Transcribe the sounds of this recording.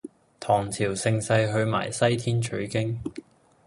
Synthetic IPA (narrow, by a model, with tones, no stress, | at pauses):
t̪ʰɔː˨˩ŋt͡sʰiː˨˩wsɪ˧ŋsɐ˧jɦɵ˧ɥma̰ː˨˩jsɐ˥jt̪ʰiː˥nt͡ʃʰɵ˨˧˥ɥkɪ˥ŋ